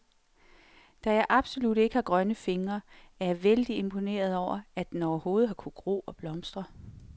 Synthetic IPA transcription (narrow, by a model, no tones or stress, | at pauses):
d̥æjɑ̈ɪʔɑ̈b̥so̝lud̥e̝ɡ̥əhɑ̈ɡ̥ʁɶnəfe̝ŋɐ | æɐjɑ̈ʋeld̥ie̝mpʰo̝ne̝̰ːɐð̞ˠɒʊ̰ɐæd̥enɒʊɐho̝ːð̞̩ˠɦɑ̈kʰu̥ɡ̥ʁo̝̰ːɒ̽b̥lɒ̽msd̥ʁɐ